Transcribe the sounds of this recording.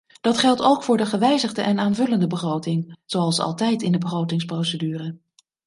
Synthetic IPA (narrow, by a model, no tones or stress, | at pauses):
d̥ɑtχɛlˠtowkfʊːɹdəχəʋɛjzəχdəʔɛnaːnvɵləndəbəχrowtɪŋz̥owɑlˠsɑ̰lˠtɛjtɪndəbəχrowtɪŋsprowsədyːrə